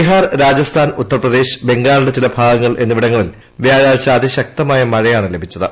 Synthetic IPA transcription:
iɦaːrɾaːd͡ʑɐst̪ʰaːnut̪ːɐrprɐd̪e̞ːɕɨ̥be̞ŋɡaːluɽe̞t͡ɕilɐbʱaːɡɐŋːɐɭʔe̞nːuʋiɽɐŋːɐɭil | ʋjaːɻaːɕaːd̪iɕɐk̚t̪ɐmaːjɐmɐɻɐjaːɳɨle̞bʱit͡ɕːɐðɨ

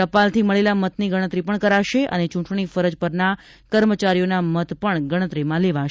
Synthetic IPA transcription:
əpalt̪ʰiməɭelamət̪niɡəɽ̃ət̪ɾipəɳkəɾaʃeʔə̰net͡ʃũʈɳ̃ifəɾəd͡ʒpəɾna | kəɾmət͡ʃaɾijonamət̪pəɳɡəɽ̃ət̪ɾimãleʋaʃ

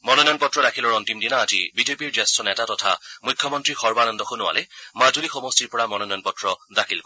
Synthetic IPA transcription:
mɔnɔnɔjɔnpɔtɹɔɾakʰilɔɹɔntimdinaːzibizepiɹzɛstɹɔnɛtatɔtʰa̰mʊjkʰːjɔmɔntɹixɔɹbanɔndɔxʊnʊwa̰lɛmazulixɔmɔstiɹpɔɹamɔnɔnɔjɔ̃npɔtɹɔdakʰilkɔ

